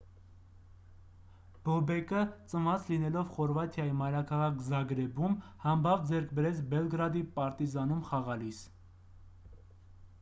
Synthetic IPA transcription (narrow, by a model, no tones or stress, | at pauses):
b̥ɔbɛkət͡sənɑt͡slinɛlɔvχɔɾvɑt̪ʰjɑjimɑjɾɑkʰɑʁɑkʰzɑɡɾɛbumhɑmbɑvd͡zɛɾkʰbɛɾɛt͡sʰbɛlɡɾɑd̪ipɑɾt̪izɑnumχɑʁɑlis